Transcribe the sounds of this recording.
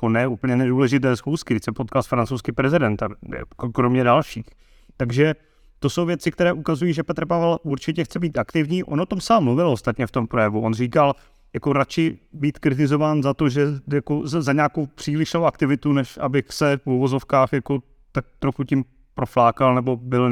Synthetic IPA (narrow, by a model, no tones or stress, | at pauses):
konɛʔupl̩ɲɛnɛduːlɛʒɪt̪ɛːsxuskɪdɪçsɛpot̪̚kalsfɾant͡sowskipɾɛzɪdɛnt̪a̰kokɾomɲɛdalʃiːx | t̪aɡʒɛ | t̪o̞so̞wvjɛt͡sɪkt̪ɛɾɛːʔukazujiːʒɛpɛt̪rpavɛlʔuɾt͡ʃɪcɛxt͡sɛbiːt̪akt̪ɪvɲiːʔo̰nʔot̪o̞msaːmːluvɪlʔost̪at̪ɲɛft̪o̞mpɾojɛvuʔonriːkal | jako̞ɾat͡ʃɪbiːt̪kɾɪt̪̬ɪzo̞vaːnzat̪oʒɛjako̞zaɲaːkowpr̝̥iːlɪʃlowʔakt̪ɪvɪt̪unɛʃʔa̰bɪxsɛfuvo̞zo̞fkaːxjako̞ | t̪ak̚t̪ɾo̞xucɪm | pɾoflaːkalnɛbo̞bɪl